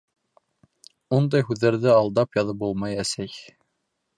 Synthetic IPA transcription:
und̪ɑjɦʉðːæɾðɘɑlˠd̪ɑpjɑðɤp̚bulˠmɑjæsæj

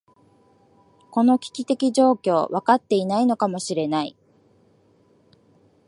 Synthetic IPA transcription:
ko̞no̞kʲi̥kʲit̪e̞kʲiʑo̞ːkʲo̞ːβakat̪ːe̞inaino̞kamo̞ɕiɾe̞naḭ

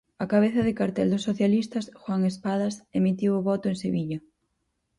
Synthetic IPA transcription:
akaβeθɐðɪkaɾt̪ɛld̪osːoθjalist̪ɐsxwaŋespaðasemit̪iwʊβɔt̪ʊẽŋseβiʎɐ

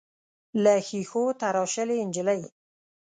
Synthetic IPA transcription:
laxixot̪aɾɑʃəleɪnd͡ʒɪləj

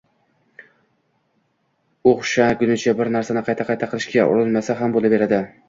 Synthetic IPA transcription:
oχʃakʲʊnɪt͡ʃʰabɪɾnaɾsanɪqʰɑjt̪ʰaqʰɑjt̪ʰaqʰɨlˠɪʃkʲaʔʊ̰ɾʊnmasaɦambolˠabe̞ɾad̪ɪ

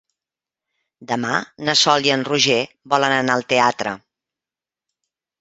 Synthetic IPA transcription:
d̪əmanəsɔlˠiənruʒe | bɔlənənaəlˠt̪eat̪ɾə̰

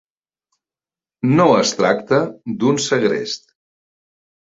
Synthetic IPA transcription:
noəst̪ɾakt̪əd̪unsəɣɾḛst̪

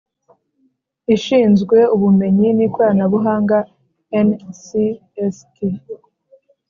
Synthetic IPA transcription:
iʃiːnzɡwe̞uβume̞ɲinikwanaβuɦaːŋɡa | ensi | esti

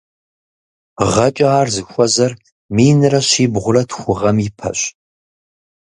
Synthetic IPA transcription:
ʁɐt͡ʃʼɐaːrzɨxʷɔzɐr | miːnɨrɐʃiːbʁʷʊrɐtʰxʷʊʁɐmɪpʰɐ̰ɕ

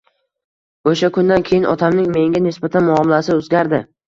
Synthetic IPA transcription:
oʃakʰʊnd̪ankʲʰejɪnʔɒ̰t̪ʰamnɪŋme̞ŋɡʲanɪsbat̪ʰanmʊɒmɪlasɪozɡʲaɾd̪ɪ

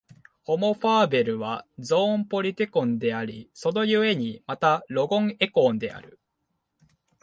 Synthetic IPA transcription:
ho̞mo̞ɸaːbe̞ɾɯ̟β̞azõ̞ːmpo̞ɾʲit̪e̞kõ̞nd̪e̞aɾʲiso̞no̞jɯ̟e̞ɲ̟imat̪aɾo̞ɡõ̞ŋe̞kõ̞ːnd̪e̞a̰ɾɯ̟

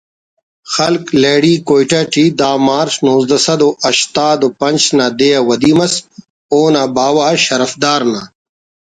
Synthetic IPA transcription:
xɐlkleːɽiːkoːjʈaʈid̪aːmaːɾsnoːzd̪ɐsɐd̪oʔɐɕt̪aːd̪opɐnt͡ɕnaːd̪ejawɐd̪imɐs | oːnabaːwaːɕɐɾɐfd̪aːɾna

